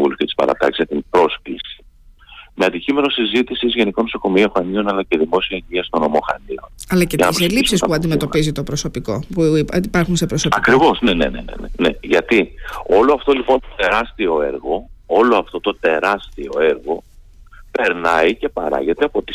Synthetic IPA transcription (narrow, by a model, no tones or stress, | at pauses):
ulucet̪i̥spɐ̰ɾɐ̰t̪ɐ̰ksi̥zʝɐt̪impɾo̞sklisi̥ | me̞ɐnd̪icime̞no̞sizit̪isizʝe̞niko̞noso̞ko̞mioxɐnio̞nɐlɐce̞ðimo̞siɐɲɟiɐst̪o̞no̞mo̞xɐ̰nio̞nɐlɐceɐnɐslispsispuɐnd̪imet̪o̞pizit̪o̞pɾoso̞piko̞puipɐɾxunsepɾosopɐkɾivo̞znene̞̰nḛnḛnḛneʝɐt̪io̞loɐft̪o̞lipo̞nt̪ot̪e̞ɾɐst̪io̞eɾɣo̞o̞loɐft̪o̞t̪o̞t̪e̞ɾɐst̪io̞̰e̞ɾɣo̞ | pe̞ɾnɐice̞pɐ̰ɾɐ̰ʝe̞t̪eɐpo̞t̪i̥